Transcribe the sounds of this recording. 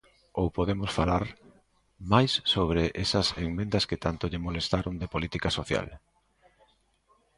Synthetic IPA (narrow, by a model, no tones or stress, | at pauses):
owpoðemʊsfalaɾ | majsːoβ̞ɾeʔesɐseŋmẽnd̪ɐskɪt̪ant̪oʎɪmolest̪aɾond̪epolit̪ikasoθja̰l